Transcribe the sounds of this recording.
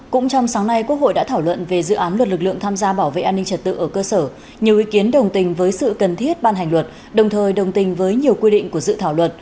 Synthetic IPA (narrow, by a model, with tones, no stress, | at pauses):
kʊ̰˧˥ŋ͡mt͡ɕɔ˧wŋ͡msaː˨˦ŋna˧jku˦˥ək̚ho̰˧˨jɗa̰ː˧˥t̪ʰaː˧˩wlwə̰˧˨nve˨˩zɨ̰˧˨ʔaː˨˦nlwə˨˩t̚lɨ˨˩k̚lɨ̰˧˨əŋt̪ʰaː˧mzaː˧ɓaː˧˩wvḛ˧˨ʔaː˧nːï˧ŋ̟t͡ɕə˨˩t̚t̪ɨ̰˧˨ʔəː˧˩kəː˧səː˧˩ | ɲi˨˩əwʔi˨˦ki˨˦ənɗə˨˩wŋ͡mt̪ï˨˩ŋ̟vəː˨˦jsɨ̰˧˨kə˨˩nt̪ʰi˦˥ət̚ɓaː˧nɦa˨˩ŋlwə˨˩t̚ | ɗə˨˩wŋ͡mt̪ʰəː˨˩jɗə˨˩wŋ͡mt̪ï˨˩ŋ̟vəː˨˦jɲi˨˩əwkwi˧ɗḭ̈˧˨ŋ̟ku˧˩əzɨ̰˧˨t̪ʰaː˧˩wlwə˨˩t̚